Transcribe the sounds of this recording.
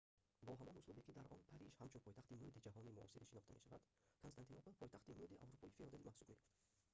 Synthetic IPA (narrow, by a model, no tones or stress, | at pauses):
bɔɦamɔnuslˠubekid̪aɾʔɔnpʰaɾiʃhamt͡ʃunpʰɔjt̪ʰaχt̪imud̪id͡ʒaɦɔnimuɔ̰siɾiʃinɔχt̪amḛʃava̰d̪̥ | kʰɔnst̪ant̪ʰinɔpɔpʰɔjt̪aχt̪imud̪iʔa̰vɾupʰɔifiɔd̪elimʔahsubme̞joft̪